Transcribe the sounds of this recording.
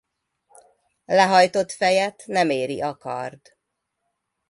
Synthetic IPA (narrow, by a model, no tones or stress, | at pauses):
lɛɦɒjt̪o̞t̪fɛjɛt̪nɛmeːɾḭʔɒkɒ̰rd̪̥